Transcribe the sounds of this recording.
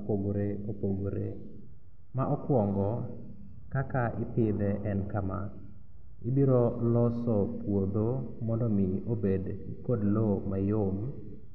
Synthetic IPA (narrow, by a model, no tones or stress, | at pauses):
poɡoɾeopoɡoɾḛ | maʔɔkwɔŋɡɔ | kakaʔɪpɪd̪ɛʔɛnkama̰ | ɪbiɾolɔsɔpwod̪o | mɔndɔmɪobedikodlomajom